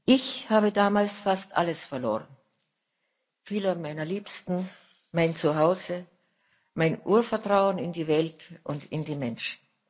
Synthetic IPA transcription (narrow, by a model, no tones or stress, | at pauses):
ʔɪçhaːbədaːmaːlsfastʔa̰ləsfɛɐlo̰ːʁən | fiːlɐmaɪnɐliːpstn̩ | maɪnt͡suɦaʊzə | maɪnʔuːɐfɛɐtʁ̥aʊənɪndiːvɛltʔʊntɪndiːmɛnʃn̩